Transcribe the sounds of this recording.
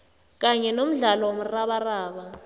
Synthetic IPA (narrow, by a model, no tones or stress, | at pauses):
k̬ʼaɲɛnom̩ɮalɔwom̩raɓaraːɓa